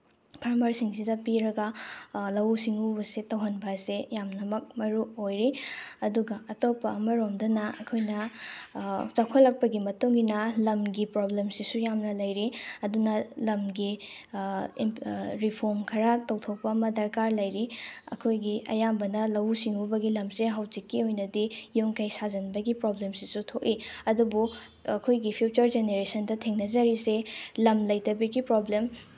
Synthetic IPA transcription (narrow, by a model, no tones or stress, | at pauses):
pʰɐɾmɐɾsiŋsidɐpiɾɐɡɐlɐwsiŋubɐsetɐwɦɐnbɐsejamnɐmɐk̚mɐɾuojɾiɐduɡɐɐtopɐɐmɐɾomdɐnɐɐkʰojnɐ | t͡ʃakʰɐlːɐk̚pɐɡimɐtuŋɡinɐlɐmɡipɾoblemsisujamnɐlɐjɾiɐdunɐlɐmɡi | ɾipʰoɾmkʰɐɾatɐwtʰowpɐmɐdɐɾkaɾlɐjɾiɐ̰kʰojɡiɐ̰jambɐnɐlɐwsiŋubɐɡilɐmseɦɐwd͡ʒikːiojnɐdijoŋkʰɐjsazɐnbɐɡipɾoblemsisutʰok̚iɐdubu | ɐkʰojɡipʰjut͡ʃɐɾd͡ʒeneɾesɐndɐtʰeŋnɐzɐɾiselɐmlɐjtɐbɐɡipɾoblem